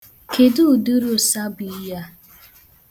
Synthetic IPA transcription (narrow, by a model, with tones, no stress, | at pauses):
kʰe˨du˦˨du˦ɾʊ˦˨sa˦bi˨i˦ja˦